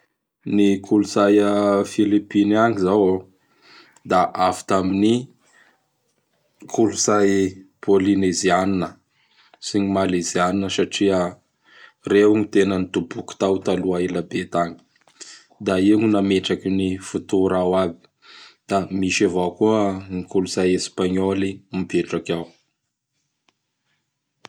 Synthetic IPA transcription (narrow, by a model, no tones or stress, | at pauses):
nikʰuluzajəfilipinaŋizawo | d̪aʔafi̥t̪amini | kʰuluzajpʰolinezianinə | siɲimalezianinəsaʈ͡ʂiə | rewɲit̪enənit̪ubuku̥t̪awt̪aluailabet̪aɲi̥ | d̪aiŋunameʈ͡ʂakinifut̪uɾawabi̥ | d̪̥amiʃavakuəŋikuluzajespaɲolimipeʈ͡ʂakaw